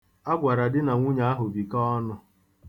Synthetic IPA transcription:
a˦ɡʷa˨ɾa˨dɪ˦na˨ŋʷu˦ɲa˦a˦ɦʊ˨bi˨kɔ˦ɔ˦nʊ˦

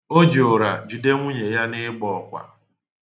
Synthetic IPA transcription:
o˦d͡ʒi˨o˨ɾa˨d͡ʒu˨de˦ŋʷʊ˦ɲe˨ja˦nɪ˦ɡ͡bɔ˨kʷa̰˨

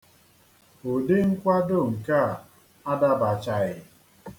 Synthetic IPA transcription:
o˨de˦ŋ̩˦kʷa˦do˦˨ŋ̩˨ka˦˨ | a˦da˦ba˨t͡ʃa˨ɣɪ˨

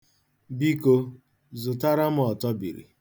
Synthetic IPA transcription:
bi˦ko˦ | zʊ˨ta˦ɾa˦m̩˦ɔ˨tɔ˦bḭ˨ɾḭ˨

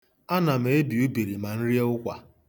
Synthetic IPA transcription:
a˦na˨m̩e˨e˦bi˨u˦bi˨ɾi˨ma˨n̩˦ɾi˦e˦ʊ˦kʷa̰˨

